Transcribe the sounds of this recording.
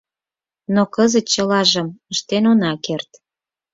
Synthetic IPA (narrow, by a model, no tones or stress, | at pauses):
nokəzə̆t̪̚t͡ɕə̆lɑʒə̆məʃt̪enonɑkert̪